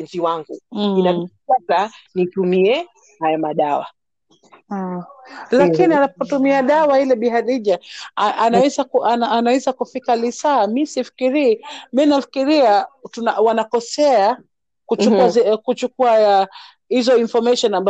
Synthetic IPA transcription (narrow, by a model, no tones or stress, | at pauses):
nziwaŋɡuina | atanitumiɛ | hajamaɗawa̰ | lakinianapɔtumiaɗawailɛɓiɦaɗiʄaanaɛzakuʔanaːnawɛzakufikalisaːmisifi̥kiɾiminafikiɾiatunawanakɔsɛa | kut͡ʃukazkut͡ʃukuaa | hizɔinfɔmaʃɔnamba